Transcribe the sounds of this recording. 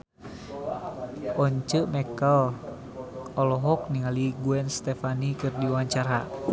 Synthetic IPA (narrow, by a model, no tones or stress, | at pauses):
ʔɔɲt͡ʃəʔmɛkəl | ɔlɔɦɔk̚niŋaliɡuɛnst̪ɛfanikɨrdiwaɲt͡ʃaɾa